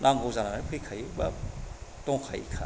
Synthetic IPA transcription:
nʔaŋɡowzanamapʰɯjkʰajbɐtɔŋkʰa̰jkʰa̰

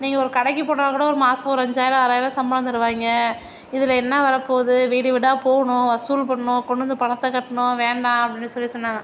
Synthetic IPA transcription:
niːŋɡɐɔɾɯkɐɽɐkːipoːɽaːkːɐːɽɐɔɾɯmaːsɐɔɾɐɲd͡ʒaːjɪlaɐɾaːjlãsɐmbɐnɐnd̪ɯɾɯʋaːŋɡɐ | ɪðɪlɐɛnːɐʋɐɾɐpːoːðɯʋeːɽɯʋɪɽaːpoːɣɐɳʊ̃ʋɐsuːlpɐɳɐɳʊ̃kɔɳɖɯnd̪ɯpɐɳɐt̪ːɐkɐʈːɐɳʊ̃ʋeːɳɖãːɐpɐɽɪnːɯsɔlːisɔnːaːŋɐ

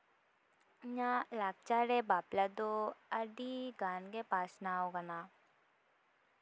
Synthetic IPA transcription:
ɲãlaːk̚t͡ʃaːɾebaːplad̪oəɖiɡaːnɡepaːsnaoɡəna

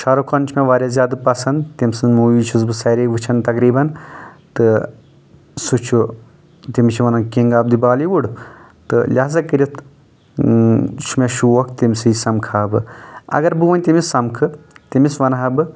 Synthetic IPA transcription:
ʃʰɐɾokʰɐnt͡ʃʰmeʋaːɾʲjazʲjaːd̪pɐsɐnd̪t̪imʲsɨnmuːʋiːt͡ʃʰuzbɨsɐɾeʋɨt͡ʃʰɐnt̪ɐkɾiːbɐnt̪ɨ | sut͡ʃʰu | t̪imit͡ʃʰiʋɐnakiŋɡaːb̚d̪ibaːliʋuɽ | t̪ɨlʲaːzɐkɨɾʲɐt̪ʰ | t͡ʃʰumeʃuokʰt̪imʲsɨjsɐmkʰaːbɨɐ̰ɡɐɾbɨʋɐnʲt̪imisɐmkʰɨt̪imisʋɐnaɦɐbɨ

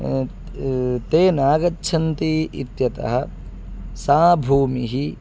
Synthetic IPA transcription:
t̪eːnaːɡɐtːʃʰɐnt̪iit̪jɐt̪ɐ̰ɦɐ̆ | saːbʱuːmiɦi

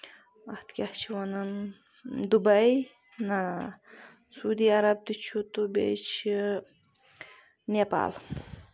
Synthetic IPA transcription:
ɐht̪kʲɐht͡ʃʰiwɐnɐn | d̪ubɐj | nɐna | suːd̪iːɐɾɐb̚t̪it͡ʃʰut̪ubʲḛt͡ʃʰi | nepa̰ːl

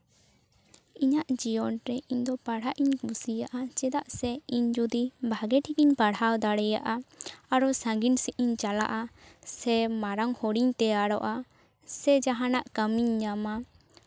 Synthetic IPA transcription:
iɲaʔd͡ʒijɔnɾɛʔiɲd̪ɔpaɽ̤aʔiɲbusijaʔat͡ʃɛd̪aʔsɛiɲd͡ʒud̪ibʱaɡɛʈʰik̚iɲpaɽhawd̪aɽɛjaʔaaɾɔsãŋɡinsɛʔiɲt͡ʃala̰ʔasɛmaɾaŋhɔɽiɲt̪ɛaɽɔʔa | sɛd͡ʒaɦanaʔkəmiɲːama

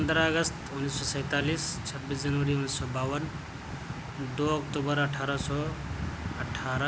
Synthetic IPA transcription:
pənd̪ɾaəɡəst̪unːissɔsə̃jt̪aliːst͡ʃʰəbːiːsd͡ʒɐnʋəɾiunːissɔbaːwən | d̪oɔkʈubəɾɐʈʰaːɾəsɔ | əʈʰaɾ

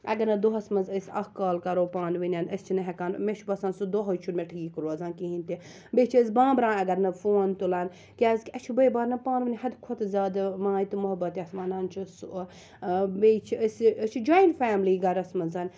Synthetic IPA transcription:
ɐ̰ɡɐɾnɐd̪oɦɐsmɐnzəsʲɐhkaːlkɐɾoːpaːnʋinʲɐnɐst͡ʃʰinɐɦɐkaːnmet͡ʃʰubɐsaːnsud̪oɦot͡ʃʰunmeʈʰɨɡiːkɾoːɐzãːnkiɦinʲt̪i | bet͡ʃʰiəs̬ʲbãːbɾãːnɐɡɐɾnɐfoːnt̪ulaːn | kʲaːzkʲɐt͡ʃʰubɐjbaːɾnɐpaːnʋɨnʲɦɐd̪kʰot̪zaːd̪mãːit̪ɨmʊɦɐbɐt̪ɐsmaːnaːnt͡ʃʰusuo | bet͡ʃʰiəsət͡ʃʰid͡ʒaːjinʈfaːmliːɡɐɾɐsmɐzɐn

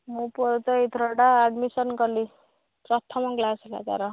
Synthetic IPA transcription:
mupɔɾt̪ʌit̪ɾʌɽaːd̪misʌnkʌli | prʌt̪ʰʌmʌkɡlasla̰ɡa̰ɾʌ

